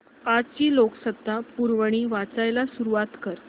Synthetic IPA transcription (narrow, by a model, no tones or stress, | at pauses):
ad͡zt͡ɕiːloksəd̪ʱːapuɾʋəɽ̃iːʋat͡sajlasuɾuat̪kəɾ